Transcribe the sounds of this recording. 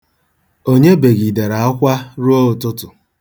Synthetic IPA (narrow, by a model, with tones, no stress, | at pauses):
o˦ɲe˦be˨ɡi˨de˨ɾa˨a˦kʷa˦ɾu˦o˦ʊ˨tʊ˦tʊ˨